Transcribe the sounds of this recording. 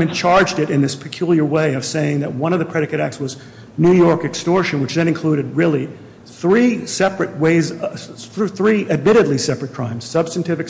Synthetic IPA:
ɨ̃nt͡ʃʰɑɹd͡ʒdɨɾɨ̃nðɪspʰɨ̥kʰj̥ulˠjə˞weɪʌv̥seɪɪ̃ŋðɨt̚wʌ̃ñʌvðɨpʰɹ̥ɛɾɨkɨɾæk̚tswʌz | nʉjɔɹkɨkstɔɹʃɨ̃nwɨt͡ʃðɨ̃ñɨ̃nkʰl̥uɾɨd̚ɹɪlˠi | θɹisɛpɹɨt̚weɪz | θɹiʔɨd̚mɪɾɨdˡlisɛpɹɨt̚kʰɹ̥ãɪ̃mz̥sʌb̥stɨ̃ntʰɪvɨk

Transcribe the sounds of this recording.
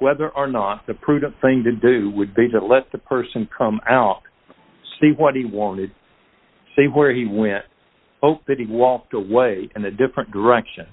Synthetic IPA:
wɛðə˞ʔə˞nət̪̚ðɨpʰɹ̥ʉdⁿn̩θɪ̃ŋtɨdʉwɨd̚biɾɨlɛt̪̚ðɨpʰɜ˞sɨ̃nkʰʌ̃maʊt̚ | siwʌt̚hiwɑ̃ñɨd̥̚ | siwə˞iwɛ̃nt̚ | hoʊp̚ðɨt̚hiwɔk̚təweɪɨ̃nɨdɪfɹɨ̃nd̥ə˞ɛkʃɨ̃n

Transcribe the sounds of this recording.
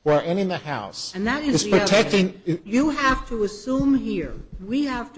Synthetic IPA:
əə˞ɛ̃nɨ̃nðɨhaʊsɨ̃nðɨɾɨzɨz̥ɹ̥ɨtʰɛk̚tɪ̃ŋjɨɦæftʰəəsũmɦiɹwihæft

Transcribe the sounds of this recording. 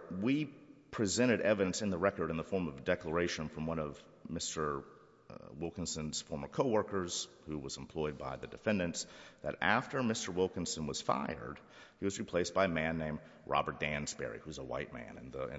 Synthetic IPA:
wipʰɹ̥izɛ̃ɾ̃ɨɾɛvɨɾɨ̃nsɨ̃nðəɹɛkə˞ɾɨ̃nðəfɔɹmʌvdɛklə˞eɪʃɨ̃nfɹʌ̃mwʌ̃ñʌv | mɪstə˞ | wɪlˠkɨ̃nsɨ̃nz̥fɔɹmə˞kʰoʊwɜ˞kə˞z̥ | huwʌz̃m̩pʰl̥ɔɪd̚baɪðɨdɨfɛ̃ndɨ̃nsðɨɾæftə˞mɪstə˞wɪlˠkɨ̃n̩sɨ̃nwʌz̥fa̰ɪə̰˞d̥ | hiwʌzɹipʰl̥eɪsb̥aɪmæ̃nːẽɪ̃m | ɹʔɑ̰bə˞t̚d̥æ̃nzb̥ɛ̰ɹḭhuzəwa̰ɪt̚mæ̰̃nɨ̰̃nðə̃

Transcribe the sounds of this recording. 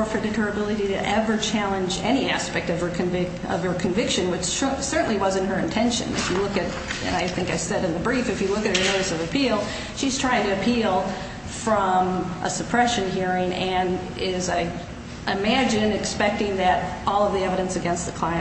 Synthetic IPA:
fə˞ɾdɨɾʰə˞ɨbɪlˠɨɾiɾɨ̰ʔɛvə˞t͡ʃʰælˠə̃nd͡ʒɛ̰ñiæspɛk̚tʌv̥ə˞kʰɨ̃ɱvɪ | ʌ̰v̥ə˞kʰɨ̃ɱvɪkʃɨ̃nwɨt͡ʃsɜ˞ʔn̩liwʌzɨ̃nt̚ɦə˞ɨ̃ntʰɛ̃nʃɨ̰̃nɨ̰fjɨlʊkɨɾ | ɨ̰̃naɪθɪ̃ŋkaɪsɛɾɨ̃nðɨbɹifɨfjɨlʊkɨt̚hə˞noʊɾɨsʌvɨpʰilˠ | ʃiz̥tʰɹ̥aɪɪ̃ŋtɨɨpʰilˠ | fɹʌ̃mʔə̰sɨpʰɹ̥ɛʃɨ̃nɦiɹɪ̃ŋɨ̃n | ɪzaɪ | ʔɪmæd͡ʒɨ̃nɨkspɛk̚tɪ̃ŋðɨɾʔɔlˠʌvðiɛvɨɾɨ̃nsɨɡɛ̃nst̪̚ðɨkʰl̥ãɪɨ̃

